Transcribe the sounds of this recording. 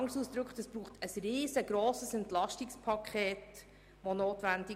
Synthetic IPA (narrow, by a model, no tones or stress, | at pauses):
ŋsuːsd̥̪ɾʏkχtəsb̥ɾuːχtəsriːzəɡɾoːsəsɛntlɑʃtikspʰɑkʰχeːt | ʋonoːtʋændi